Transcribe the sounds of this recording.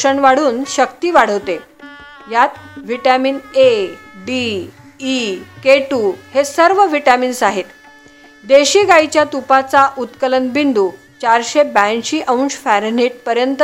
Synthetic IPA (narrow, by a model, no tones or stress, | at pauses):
əɳʋaɽ̤uːnɕəkt̪iːʋaɽ̤əʋt̪e | jat̪̚ʋiʈamiːneɖiː | keʈuhesəɾʋəʋiʈamiːnsaɦet̪ | d̪eɕiːɡait͡ɕjat̪upat͡saʔut̪kələnbind̪uː | t͡ɕaɾɕebanɕiːʔəwnsfæɾniːʈ̚pəɾjənt̪